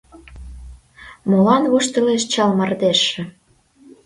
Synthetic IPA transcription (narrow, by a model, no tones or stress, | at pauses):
molɑnβuʃt̪ɤ̆leʃt͡ɕɑlmɑrd̪eʃĕ